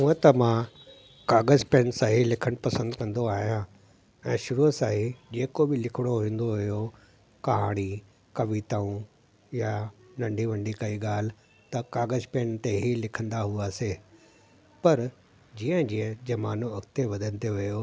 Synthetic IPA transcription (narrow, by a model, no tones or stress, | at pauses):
ũːə̃t̪ɐmã | kaːɡəzpẽːnsaːɦilɪkʰəɽ̃pɐsə̃nd̪kɐ̃nd̪oaːɦijã | ɛ̃ːʃʊɾusaːɦid͡ʑeːkobɪlɪkʰɪɽ̃oɦĩːn̆d̪oɦʊjo | kɐɦaːɽ̃i | kɐʋit̪aũ | janɐ̃ɳɖʱiʋɐ̃ɳɖikɐiɠaːl̤ɪ | t̪ɐkaːɡəzpeːnt̪eɦilɪkʰə̃nd̪aɦuaːse | pɐɾ | d͡ʑiːə̃d͡ʑiːə̃d͡ʑɐmaːnoɐkt̪eʋɐd̪ʱənɪt̪ʰejoʋɐjo